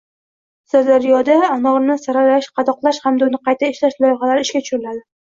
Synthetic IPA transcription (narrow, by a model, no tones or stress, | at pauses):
sad̪aɾijɒd̪aːnɒɾnɪsaɾaɾaʃqʰɑd̪ɒqlˠaʃhamd̪aʊnɪqʰɑjt̪ʰaeʃlaʃlˠɒjχɑlaɾɪɪʃkʲat͡ʃʊ̥ʃʊɾɪlad̪ɪ